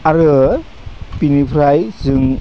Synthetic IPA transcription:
aɾɯ | pinipʰɾajzɯŋ

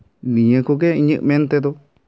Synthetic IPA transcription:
nĩẽkuk̬eĩɲɨ̃ʔmẽnt̪et̪u

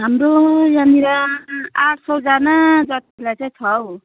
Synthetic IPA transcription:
ɦamɾojaniɾaaʈʰsʌwd͡zanad͡zʌt̪ilajt͡saĩt͡sʰʌw

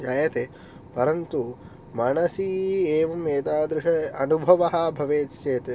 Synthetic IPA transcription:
d͡ʒaːjɐt̪e | pɐɾɐnt̪u | maɳɐsieːʋɐmːeːt̪aːd̪ɾɪʂɐɐnubʱɐʋɐɦɐ̆bʱɐʋeːt͡ʃt͡ʃeːt̪e

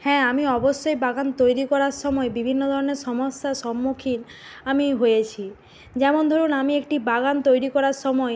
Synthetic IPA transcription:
hɛ̃amiɔbosːojbaɡant̪ojɾikɔɾaɾsɔmɔebibʱinːod̪ʱɔɾɔneɾsɔmɔst̪asɔmːukʰin | amiɦojet͡ɕʰi | d͡ʒɛmond̪ʱoɾunamiekʈibaɡant̪ojɾikɔɾaɾsɔmɔe

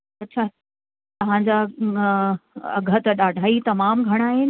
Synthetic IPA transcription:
ɐtːɕʰa | t̪ɐʋ̤ãɲd͡ʑa | ɐ̰ɡʱə̆t̪ɐɗaːɖʱaːit̪ɐmaːmɡʱɐɽ̃aːɦenɪ

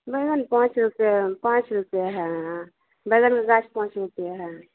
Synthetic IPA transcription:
bəɡənpãt͡ʃɾupjapãt͡ʃɾupjaɦɛ̃ | bəjɡənkaɡat͡ʃpãːt͡ʃɾupjaɦɛ

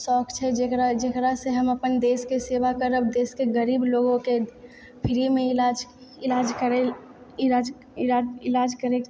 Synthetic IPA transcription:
sɔːkʰt͡ʃʰɛd͡ʒekɾad͡ʒekɾaseɦəməpənd̪eːskeseːʋakəɾəb̚d̪eːskeɡəɾiːbloːɡõke | pʰɪɾimẽɪlad͡ʒ | ɪlaːd͡ʒkəɾe | ɪad͡ʒ | ɪaɪlaːd͡ʒkəɾe

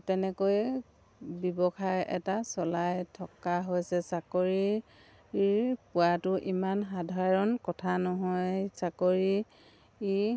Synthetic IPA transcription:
tɛnɛkoj | bɔbɔxajʔɛtasɔlajtʰɔkaɦojsɛsakoɹi | pʊatʊʔimanɦadʱaɹɔnkɔtʰanɔɦɔjsakoɹi

